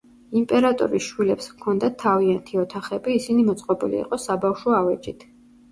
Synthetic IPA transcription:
impʼɛɾat̪ʼɔ̰ɾiʃwilɛpskʰɔnd̪at̪ʰːaviant̪ʰiɔt̪ʰaχɛbiːsinimɔt̪sʼqʼɔbḭlḭːqʼɔsabafʃɔavɛd͡ʒʼit̪ʰ

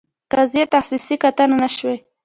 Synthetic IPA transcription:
kazjet̪axsisikat̪ananaʃwe

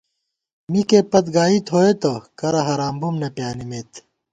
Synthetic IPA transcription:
mikepɐt̪ɡaːit̪ɦoːet̪okɐɾɐɦɐɾaːmbumnepjaːnimeːt̪

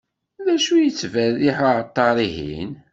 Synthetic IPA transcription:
ðæʃujət͡sːvæðiħaʕət̪ˤːɑɾˤiɦḭn

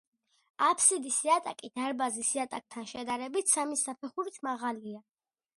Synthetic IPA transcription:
apʰsid̪isiat̪ʼakʼid̪̥aɾbazisiat̪ʼak̚ʼt̪ʰanʃɛd̪aɾɛbit̪ʰsamisapʰɛχuɾit̪ʰmaʁalia

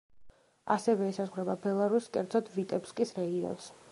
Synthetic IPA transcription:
a̰sɛvɛːsazʁwɾɛbabɛlˠaɾuskʼɛɾd̪zʰɔd̪vit̪ʼɛpskʼisɾɛɡiɔ̰ns

